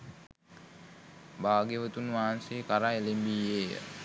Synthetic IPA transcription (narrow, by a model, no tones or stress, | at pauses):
baːɡeʋət̪unʋaːansekaɾaelembiːeːjə̰